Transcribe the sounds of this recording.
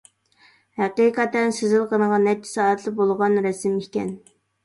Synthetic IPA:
hæqiqʰɑt̪ːɛnsezɪlˠqənəʁɑnːɛt͡ʃːʰɪ̥sɑːɛt̪ʰlˠɨbolˠʁɑnɾɛsɪmikʲɛ̰n

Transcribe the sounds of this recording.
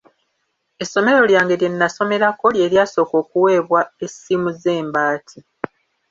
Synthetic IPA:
e̞sːo̞me̞ɾo̞ljaːŋɡe̞lje̞nːaso̞me̞ɾako̞lje̞ːɾjaːso̞ːko̞ːkuwe̞ːβwae̞simuze̞ːmbaːtʰi

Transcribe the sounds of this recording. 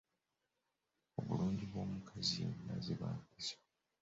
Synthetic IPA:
oβuluːɲɟiβwo̞ːmukʰazinaziβa̰ːmpisḁ

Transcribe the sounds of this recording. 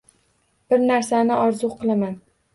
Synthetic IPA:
b̥ɪɾnaɾsanɪʔɒɾzʊqʰɨlˠaman

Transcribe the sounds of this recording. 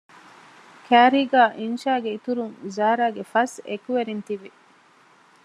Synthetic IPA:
kʰæːɾiːɡaːʔinʃaːɡeit̪uɾuŋzaːɾaːɡefɐsḛkuʋeɾint̪iʋi

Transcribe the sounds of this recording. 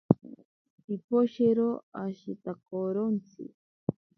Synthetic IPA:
ipoʃeɾoaʃit̪akoɾont͡sʰɪ̰

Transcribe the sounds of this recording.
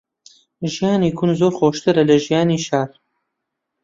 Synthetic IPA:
ʒijaːniːkʰunzoːɾxoːʃt̪ɨɾɐlɐʒijaːniʃaːɾ

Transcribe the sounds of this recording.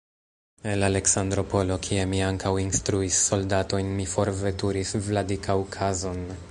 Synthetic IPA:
elale̞ksandɾo̞po̞lo̞kʰiemiaŋkawinstɾuisːo̞ldato̞jnmifo̞ɾve̞tuɾisvladikʰawkʰazo̞n

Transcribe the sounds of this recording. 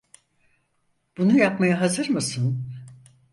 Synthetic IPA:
b̥unujapmajaɦazɯɾmɯsɯn

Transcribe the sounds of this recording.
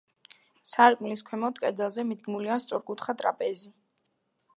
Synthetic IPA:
saɾkʼmliskʰwɛmɔt̪ʼkʼɛd̪ɛlˠzɛmid̪ɡmuliast̪sʼɔɾkʼut̪ʰχat̪ʼɾa̰pʼɛzi

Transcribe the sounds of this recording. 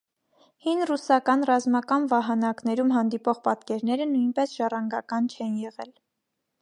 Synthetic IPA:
hinrusɑkɑnrɑzmɑkɑnvɑɦɑnɑknɛɾumɦɑnd̪ipɔʁpɑt̪kɛɾnɛɾənujnpɛsʒ̥ɑrɑŋɡɑkɑnt͡ʃʰɛnjɛʁɛ̰l

